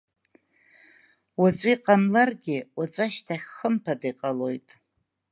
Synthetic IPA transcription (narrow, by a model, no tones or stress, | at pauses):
wat͡sʷʼiiqʼamlarɡʲɪwat͡sʷʼaʃtʰaχʲχəmpʰadajqʼalo̞jtʼ